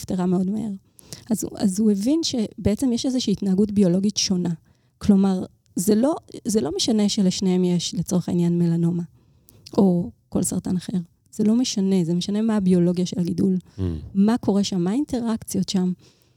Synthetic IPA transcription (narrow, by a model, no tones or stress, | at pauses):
fteʁame̞o̞dma̰he̞̰ʁ | aza̰zuevinʃe̞beet͡se̞mjeʃezeʃiːtnaːɡutbio̞lo̞ɡitʃo̞na | klo̞maʁ | zelo̞zelo̞meʃaneʃeleʃnehemjeʃlet͡so̞ʁeχainjanme̞lano̞ma | ʔo̞ko̞̰lsaʁtanaχe̞ʁ | z̥elo̞meʃane̞zemeʃane̞maːbio̞lo̞ɡijaʃelaɡidulmako̞ʁe̞ʃamːainte̞ʁakt͡sjo̞tʃam